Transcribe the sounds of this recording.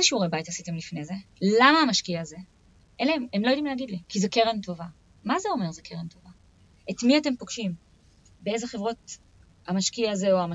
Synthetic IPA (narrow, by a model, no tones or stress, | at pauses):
ezeʃiuʁebaitasite̞mlifne̞ze | lamaːmaʃkiaːze̞ | ʔeleememlojdimleːɡidlikizekeʁe̞nto̞va | mazeo̞me̞ʁzekʰeʁento̞va | etmiate̞mpoɡ̥ʃim | bee̞zeχe̞vʁo̞t | amaʃkiaazeoama